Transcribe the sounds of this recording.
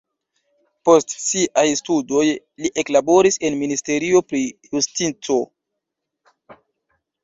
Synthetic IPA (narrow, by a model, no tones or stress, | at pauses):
po̞stsiʔajstudo̞j | liʔe̞klabo̞ɾise̞nministe̞ɾio̞pɾijustit͡so̞